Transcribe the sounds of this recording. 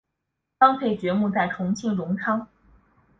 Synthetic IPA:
fɑ˥ŋp̪ʰe˥˩ɪt͡ɕɥɛ˧˥mu˥˧t͡sa˥˩ɪʈ͡ʂʰʊ˧˥ŋt͡ɕʰi˥ŋɻʊ˧˥ŋʈ͡ʂʰɑ˥ŋ

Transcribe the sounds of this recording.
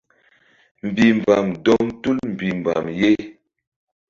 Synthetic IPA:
m̩˨bi˨m̩˨ba˨mdɔ˦mtu˦lm̩˨bi˨m˨ba̰˨mje˦

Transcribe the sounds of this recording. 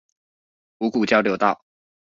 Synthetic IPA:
u˧˥ku˨˩t͡ɕjɑ˥ʊljo˧˥ʊt̪ɑ˥˩ʊ

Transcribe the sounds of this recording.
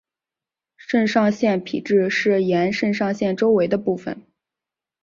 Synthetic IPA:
ʂə˥˧nʂɑ˥˧ŋɕjɛ˥˩npʰḭ˨˩ʈ͡ʂɻ̩˥˧ʂɻ̩˥˩jɛ˧˥nʂə˥˧nʂɑ˥˧ŋɕjɛ˥˩nʈ͡ʂo˥ʊwe˧˥ɪd̪ə˧pu˥˩fə̰˨˩n

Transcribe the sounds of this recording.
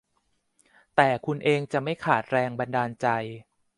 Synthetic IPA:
t̪ɛː˨˩kʰu˧nʔeː˧ŋt͡ɕa˨˩ma˥˩jkʰaː˨˩t̪̚ɾɛː˧ŋba˧ndaː˧nt͡ɕa˧j

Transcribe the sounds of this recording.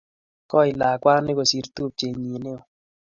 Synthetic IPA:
kɔ˦ɪ˨la˨kwa˦ŋnɪ˦ko˨si˨ɾt̪u˦˨p̚t͡ʃe˨ɲi˨ne˦o˨

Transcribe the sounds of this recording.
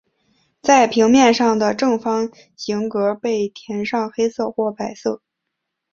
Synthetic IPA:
t͡sa˥˩ɪpʰi˧˥ŋmjɛ˥˧nʂɑ˥˩ŋd̪ə˩ʈ͡ʂɤ˥˩ŋfɑ˥ŋ | ɕi˧˥ŋkɤ˧˥pe˥˩ɪt̪ʰjɛ˧˥nʂɑ˥˩ŋxe˥ɪsɤ˥˩xwɔ˥˩pa˨˩ɪsɤ˥˩

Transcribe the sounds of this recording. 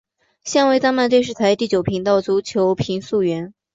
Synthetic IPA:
ɕjɑ˥˧ŋwe˥˧ɪt̪a˥ŋma˥˧t̪e˥˧ɪʂ̬ɻ̩˥˩t̪ʰa˧˥ɪt̪i˥˩t͡ɕjo˨˩ʊpʰi˧˥ŋt̪ɑ˥˩ʊt͡su˧˥t͡ɕʰjo˧˥ʊpʰi˧˥ŋsu˥˩ɥɛ˧˥n

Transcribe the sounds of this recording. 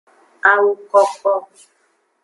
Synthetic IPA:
a˦wu˦kɔ˦kɔ˦

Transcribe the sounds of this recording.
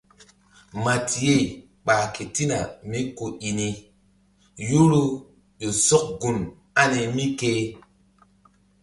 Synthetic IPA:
ma˨tʰi˨je˦˨ | ɓaː˨ke˨ti˦na˨mi˦ko˨i˨ni˦ | ju˦ɾu˦ | jo˨sɔ˦k̚ɡu˨n | a˦ne˨mi˦ke˦

